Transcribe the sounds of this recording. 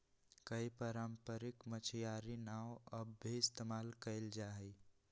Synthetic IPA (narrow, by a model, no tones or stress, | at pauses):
kəipəɾampəɾɪkmət͡ʃʰjaɾinawəbʱːiɪst̪emaːlkəɪld͡ʒaɦəj